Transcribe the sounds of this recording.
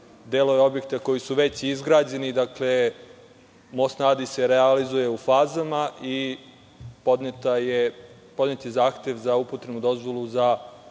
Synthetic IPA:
d̪eːlojeo̞bje̞k̚t̪ako̞jisuʋe̞t͡ɕizɡɾaːd͡ʑe̞nid̪akle̞ | mosnaːd̪ise̞ɾealizuje̞ufaːzamaʔi | pod̪t̪aje | po̞d̪net̪jezaːxt̪e̞ʋzaupot̪ɾemud̪o̞zʋo̞lˠuza

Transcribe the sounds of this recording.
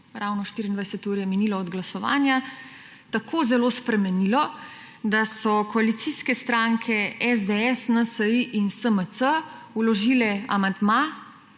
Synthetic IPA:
ɾawnɔʃt̪iɾiːnd̪vajsɛt̪uːɾijɛminiːlɔːd̪ɡlasɔʋa̰ːnja | t̪akʰoːzɛloːspɾɛmɛnilɔ | d̪asɔkɔalit̪siskɛst̪ɾaŋkʰɛɛzd̪eɛsnəsəiʔinsəmət̪sə | ulɔʒiːlɛa̰mand̪ma

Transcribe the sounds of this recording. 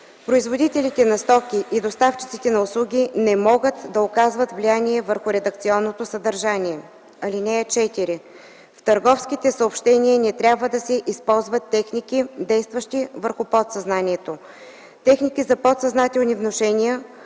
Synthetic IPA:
pɾoizvod̪it̪ɛlit̪ɛnɐst̪ɔkʲiʔid̪ost̪aft͡ʃit̪sit̪ɛnɐʊslˠuɡʲinɛmɔɡət̪d̪ɐokazvət̪vlijaniɛvəɾxʊɾɛd̪əkt̪siɔnːot̪osəd̪ɐɾʒanʲiɛ | ɐlinɛt͡ʃɛt̪iɾi | ft̪ɐɾɡɔfskit̪ɛsəopʃt̪ɛnʲiənɛt̪ɾʲjabvəd̪ɐsɛʔispɔlˠzvɐt̪ːɛxnikʲid̪ɛjst̪vəʃt̪ivəɾxʊpɔt̪sɐznaniɛt̪o | t̪ɛxnikizɐpot̪sɐznat̪ɛlˠnivnoʃɛnijə

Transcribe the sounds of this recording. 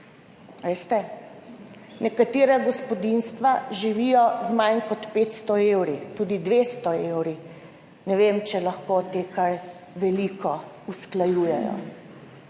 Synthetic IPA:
ʋest̪ɛ | nɛkat̪eːɾaɡɔspɔd̪inst̪ʋaʒiʋiːjɔzmajnkɔt̪peːt̪st̪ɔewɾit̪uːd̪id̪ʋeːst̪ɔewɾi | nɛʋemt͡ʃɛlaxkot̪eːkaɾ | ʋɛlikʰɔ | usklajuːjɛjɔ̰

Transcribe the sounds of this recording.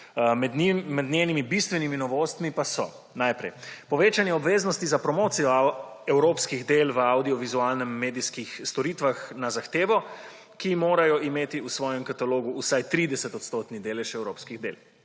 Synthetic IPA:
mɛmɛd̪nʲenimibist̪ʋɛniminɔʋoːst̪mipasɔ̰ | najpɾɛ̰jpɔʋeːt͡ʃanjɛɔbʋeːznɔst̪izapɾɔmoːt̪sijɔ | ɛwɾoːpskiɣd̪eːlʋəawd̪iɔʋizualnɛmːeːd̪iskixst̪ɔɾiːt̪ʋaxnazaxt̪eːʋɔ | kimoːɾajɔʔimeːt̪iusʋɔːjɛmkat̪aloːɡuːsajt̪ɾiːd̪ɛsɛt̪ɔt̪st̪oːt̪nid̪eːlɛʃɛwɾoːpskiɣd̪ḛːl

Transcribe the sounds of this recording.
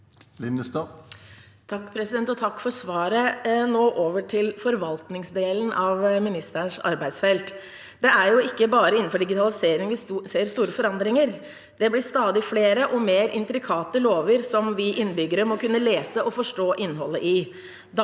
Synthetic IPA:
ɪst̪ɑ | t̪ʰɑkːpʰɾɛsɪd̪ɛnt̪ɔt̪ʰɑkːfɔʂʋɑːɾənoːʔoːʋəʈʰɪlfɔɾʋɑlt̪nɪŋsd̪eːlənʔɑʋmɪnɪst̪əɳʂɑ̰ɾbæɪd̪sfɛlt̪ | d̪ɛæɾjʊɪkːəbɑːɾəɪn̩fɔɖɪɡɪt̪ʰɑlɪseːɾɪŋʋɪseːɾst̪uːɾəfɔɾɑnd̪ɾɪŋəɾ | d̪̥ɛblɪst̪ɑːd̪ɪfleːɾəʔɔmeːɾʔɪ̰nt̪ɾɪkʰɑːt̪əloːʋəɾsɔmʋɪʔɪnːəbʏɡːəɾəmɔkʉnːəleːsəʔɔfɔʂʈoːʔɪnːɦɔlːəʔɪ | d̪

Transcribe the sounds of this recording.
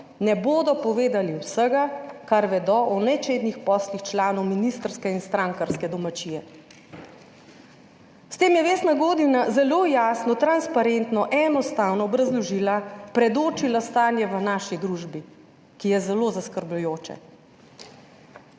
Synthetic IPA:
nɛboːd̪ɔpɔʋeːd̪aliwsəɡakaɾʋɛd̪ɔʔɔnɛt͡ʃeːd̪nixpɔːslixt͡ʃlaːnɔwminist̪əɾskɛinst̪ɾaŋkaɾskɛd̪ɔmat͡ʃiːjɛ | st̪eːmjɛʋeːst̪naɡoːd̪inazɛloːjaːsnɔt̪ɾanspaɾent̪nɔʔɛnɔst̪aːwnɔːbɾazlɔʒiːlapɾɛd̪oːt͡ʃilast̪aːnjɛʋənaːʃid̪ɾuʒbi | kijɛzɛloːzaskəɾblujoːt͡ʃɛ̰

